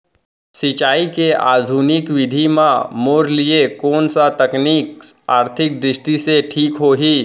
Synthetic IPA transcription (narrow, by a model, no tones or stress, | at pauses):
sɪt͡ʃaːikea̰ːd̪ʱuːnɪkwɪd̪ʱimãmoːɾliekɔːnsat̪ɐkniːkaːɾt̪ʰɪk̚d̪ɾɪʃʈiseʈʰiːkɦoːɦiː